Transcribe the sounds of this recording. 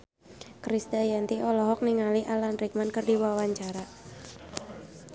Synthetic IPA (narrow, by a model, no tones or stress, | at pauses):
kɾisd̪ajant̪iʔɔlɔɦɔk̚niŋaliʔalanrik̚mankərdiwawaɲt͡ʃaɾa